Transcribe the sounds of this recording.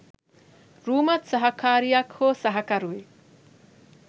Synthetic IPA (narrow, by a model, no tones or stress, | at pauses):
ɾuːmɐt̪sɐɦɐkʰaːɾijɐkhoːsɐɦɐkɐɾuʋe